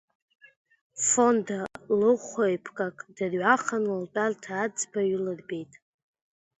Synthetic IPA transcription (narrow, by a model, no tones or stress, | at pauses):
fondalɨχʷojpʰkʼakʼd̥ɨrɥaχanɨltʼartʰaːd͡zbaɥʏlɨrbe̞jtʼ